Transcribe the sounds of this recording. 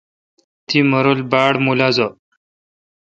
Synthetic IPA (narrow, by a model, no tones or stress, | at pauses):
t̪iməɾolbaɽmulad͡zɔ